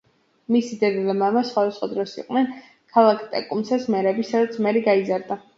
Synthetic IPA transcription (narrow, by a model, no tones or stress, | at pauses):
misid̪ɛd̪ilɛmamasχwad̪asχwad̪ɾɔsḭqʼwnɛn | kʰalˠakʰt̪ʼɛ̰kʼumsasmɛɾɛbisad̪at̪sʰmɛɾɛɡaizaɾd̪a